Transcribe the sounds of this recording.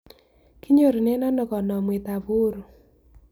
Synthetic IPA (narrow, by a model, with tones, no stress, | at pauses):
kɪ˦ɲo˦˨ɾi˨ne˦nɔ˦nɔ˨kɔ˨nɔ˨mwe˨ta˨βʊ˦ɾo˨